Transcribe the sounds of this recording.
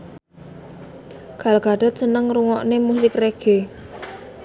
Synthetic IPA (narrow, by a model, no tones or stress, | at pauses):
ɡ̥alɡ̥a̤ɖ̥ɔ̤t̪̚sənəŋruŋɔʔnemusɪkreɡ̥e